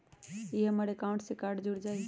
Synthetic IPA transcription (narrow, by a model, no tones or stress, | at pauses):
iɦəməɾekaũɳʈsẽkaɾɖd͡ʒuɽd͡ʒaɪ